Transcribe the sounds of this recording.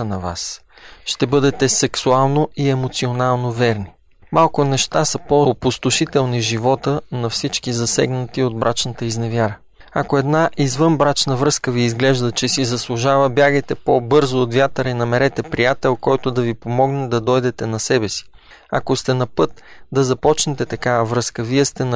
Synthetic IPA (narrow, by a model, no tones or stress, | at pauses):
nɐva̰s | ʃt̪ɛbɤd̪ɛt̪ɛsɛksualˠnoiɛmot̪sionalˠnovɛɾni | malˠkʊnɛʃt̪asɐpopost̪ʊʃit̪ɛlˠniʒivɔt̪ənɐfsit͡ʃkizɐsɛ̰ɡnət̪iod̪̚bɾʔat͡ʃnət̪əiznɛvʲjaɾə | ɐkoɛd̪naʔizvɤnbɾat͡ʃnəvɾɤskəviːzɡlɛʒd̪ət͡ʃɛsizɐslˠʊʒavəbjaɡəjt̪ɛpobɤɾzoːt̪vʲjat̪əɾinɐmɛɾɛt̪ɛpɾijat̪ɛlˠkɔjt̪od̪ɐvipomɔɡnɛd̪ɐd̪ɔjd̪ɛt̪ɛnɐsɛbɛsi̥ | ɐ̰kost̪ɛnɐpɤt̪d̪ɐzɐpɔt͡ʃnɛt̪ɛt̪ɐkavəvɾɤskəviɛst̪ɛn